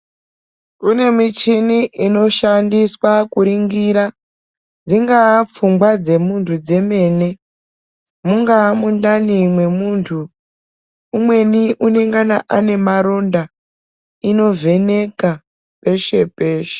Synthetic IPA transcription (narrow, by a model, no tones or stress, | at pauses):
une̞mit͡ʃiniʔino̞ʃandiswakuɾiŋɡiɾa | d͡ziŋɡap͡fumɡwad͡ze̞muntʰud͡ze̞me̞ːne̞ | muŋɡamundanimwe̞muntʰu | umwe̞niʔune̞ŋɡanaʔane̞maɾonda | ino̞ve̞ne̞ka | pe̞ʃe̞pe̞ːʃe̥